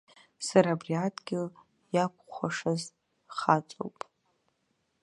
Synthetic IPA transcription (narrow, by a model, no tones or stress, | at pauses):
saɾaːbriatʰʼɡʲɪl | jakʷʰʼχʷaʂaz | χat͡sʷʼo̰wpʼ